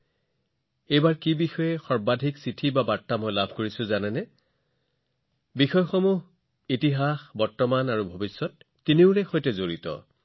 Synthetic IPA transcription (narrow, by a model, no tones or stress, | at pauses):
ejbaɹkibixɔjɛxɔɹbadʱiksitʰibabatːamɔjlabʱkoɹisʊ̃zanɛnɛ | bixɔjɔxɔmuɦ | itiɦaxbɔɹtːɔmanaɹubʱobisːɔtː | iniʊɹɛxojtɛzoɹitɔ̰